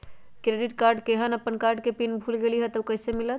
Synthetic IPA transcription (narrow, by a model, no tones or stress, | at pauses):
kɾeɖiʈkaɾɖkeɦənəpːənkaɾɖkepinbʱulɡeliɦɛt̪əwkəɦsemilət̪̚